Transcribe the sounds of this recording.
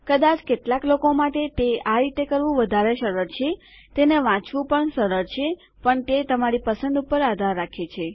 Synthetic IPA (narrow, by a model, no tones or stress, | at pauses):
kəd̪at͡ʃkeʈlaklokomaʈet̪eaɾit̪ekəɾʋũʋəd̪ʱaɾeʃəɾəɾt͡ʃʰe | t̪eneʋãt͡ʃʋũpəɳʃəɾəɾt͡ʃʰe | pəɳt̪et̪əmaɾipəsənd̪upəɾad̪ʱaɾːakʰet͡ʃʰe